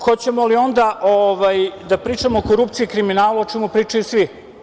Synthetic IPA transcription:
xot͡ɕe̞molio̞nd̪aʔoʋajd̪apɾiːt͡ʂamookoɾup̚t̪siikɾiminaːluot͡ʃɛmupɾiːt͡ʂajusʋi

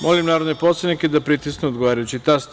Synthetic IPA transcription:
molimnaːɾod̪nepot̪senikʲed̪apɾit̪isnuod̪ɡoʋaːɾajut͡ɕit̪ast̪

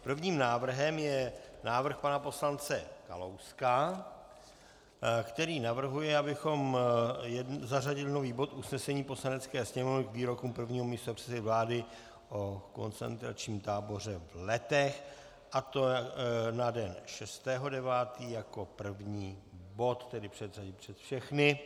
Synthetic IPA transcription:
pr̩vɲiːmnaːvr̩ɦɛmjɛnaːvr̩xpanapo̞slant͡sɛka̰lo̞wska | kt̪ɛɾiːnavr̩ɦujɛabɪxo̞mjɛzaraɟɪlɪno̞viːbo̞t̪ʔusnɛsɛɲiːpo̞slanɛt͡skɛːsɲɛmovnɪkviːɾo̞kuːmpr̩vɲiːɦo̞mɲiːst̪opr̥ɛ̥t͡sɛvlaːdɪ | ʔoko̞̰nt͡sɛ̰nt̪ɾa̰t͡ʃɲiːmt̪aːbo̞r̝ɛvlɛt̪ɛx | ʔat̪o̞nadɛnʃɛst̪ɛːɦo̞dɛvaːt̪iːjako̞pr̩vɲiːbo̞t̪ːɛdɪpr̥ɛd̪raɟɪpr̝̥ɛt̪fʃɛxnɪ

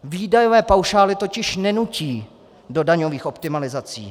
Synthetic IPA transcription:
viːdajovɛːpawʃaːlɪt̪o̞cɪʃnɛnuciː | do̞daɲo̞viːxo̞pt̪ɪmalɪzat͡sḭː

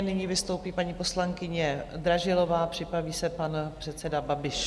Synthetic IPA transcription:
nɪɲiːvɪst̪o̞wpiːpaɲiːpo̞slaŋkɪɲɛd̪ɾaʒɪlo̞vaːpr̥ɪpɾaviːsɛpanpr̥ɛt̪t͡sɛdababɪʃ

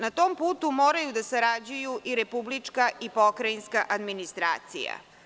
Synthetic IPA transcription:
nat̪oːmpuːt̪umoːɾajud̪asaɾad͡ʑujuʔiɾepublit͡ʂkaʔipokɾainskaʔad̪minist̪ɾa̰ːt̪sḭja̰

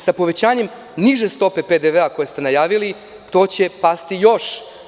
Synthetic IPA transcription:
sapo̞ʋe̞t͡ɕaːɲe̞m | niʒe̞st̪o̞pe̞pe̞d̪eʋeako̞jest̪e̞najaːʋili | t̪o̞ːt͡ɕe̞past̪ijo̞ʃ

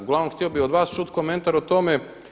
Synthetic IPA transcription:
ɡlanomxt̪iobiod̪ʋaːst͡ʃut̪ko̞me̞nt̪aɾot̪o̞me̞

